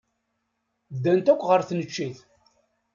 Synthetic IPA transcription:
d̪ːænt̪ækʷːʁəɾθnət͡ʃːiθ

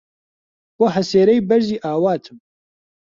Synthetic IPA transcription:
b̥oɦɛseːɾɛjbɛɾʒiːʔaːwaːt̪ʰɨm

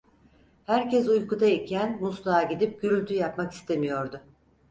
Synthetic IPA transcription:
hæɾcɛs̬ujkud̪aicʰænmuslˠaːɟid̪ip̚ɟ̥yɾylʲt̪ʰyjapmaki̥st̪ʰe̞mijo̞ɾd̪ʊ

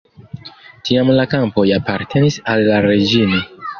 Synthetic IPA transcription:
tʰiamlakampo̞japaɾtʰe̞nisalːaɾe̞d͡ʒino

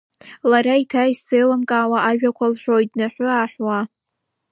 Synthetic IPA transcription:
laɾaitʰaisejlamkʼaːwaʔaʒᶣakʷʰalħʷᶣojdnaħʷʊaːħwa

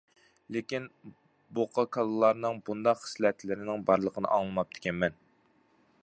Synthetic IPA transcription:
lɪkʲin | boqʰɑkʰɑlˠɨlˠːɑɾnɨŋbund̪ɑqːə̥slɛt̪ʰlɪɾɪnɪŋbɑɾlˠəqʰənɨ̰ʔɑŋlˠɨmɑp̚d̪ʰɪ̥kʲɛnmɛn

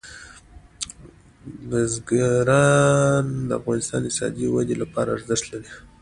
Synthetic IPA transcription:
nazɡaɾɑnd̪əafɣɑnɪst̪ɑ̰nd̪sɑ̰d̪iwad̪elapɑɾaːɾzəʂt̪laɽi

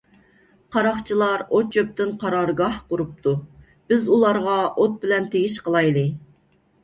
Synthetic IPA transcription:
qʰɑɾɑχt͡ʃʰilˠɑɾot͡ʃʰːøp̚t̪ɨnqʰɑɾɑɾɡɑhqʊɾup̚t̪ʰu | b̥ɪzulˠɑɾʁɑʔot̪̚bɪlɛnt̪ʰeɡʲiʃqəlˠɑjlˠɨ

